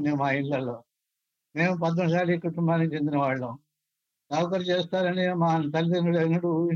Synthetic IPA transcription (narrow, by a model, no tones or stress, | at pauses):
neːmaːiɳɐloː | me̞ːmupɐd̪̬ːoɳːɖsaːlikuʈumbaːnikit͡ʃe̞nd̪inɐʋaːɭːu | ɐwkɐɾɐt͡ʃeːst̪aːɾɐɳemaːnt̪ɐlit̪ɐnɐleːnɐɽu